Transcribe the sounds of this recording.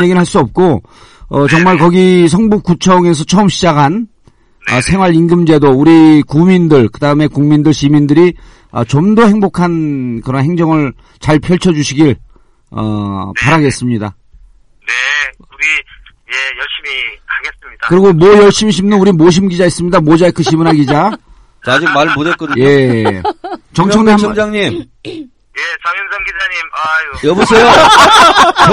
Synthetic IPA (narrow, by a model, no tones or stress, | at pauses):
eɡinɾɭɦaɭs͈uʌp̚k͈o | ʌt͡ɕʌŋmaɭkʌɡis̬ʰʌŋbup̚k͈ut͡ɕʰʌŋe̞s̬ʰʌt͡ɕʰʌɯmɕʰid͡ʑakʰan | ʌsʰe̞ŋwaɾiŋɡɯmd͡ʑe̞douɾikumindɯɭkɯdaɯme̞kuŋmindɯɭɕimindɯɾi | ʌ̰t͡ɕomdohe̞ŋbokʰankɯɾʌnɦe̞ŋd͡ʑʌŋɯɭ | t͡ɕaɭpʰjʌɭt͡ɕʰʌd͡ʑuɕʰiɡiɭ | ʌ̰paɾaɡe̞s͈ɯmɲida̰ | ne | uɡi | jejʌɕimikaɡesmɲi̥kɯɾiɡomwʌjʌɭɕ͈imiɕ̬ʰimnɯnuɾimoɕ̬ʰimɡid͡ʑais͈ɯmɲidamod͡ʑaekʰɯɕʰibɯnɦaɡid͡ʑa | t͡ɕad͡ʑik̚maɭmodet̚k͈ʌdɯɲjoe̞ | t͡ɕʌŋt͡ɕʰʌŋdeamd͡ʑaŋɲim | jeɡiaɲimajjʌbusʰejo